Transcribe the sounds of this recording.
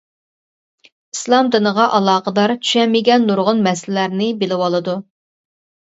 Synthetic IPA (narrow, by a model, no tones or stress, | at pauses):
islˠɑmd̪ɨnəʁɑʔɑlˠɑːqəd̪ɑɾt͡ʃʰy̥ʃɛmːɪɡʲɛnːuɾʁʊnmɛsllæɾnɪbɪlɪwɑlˠɨd̪u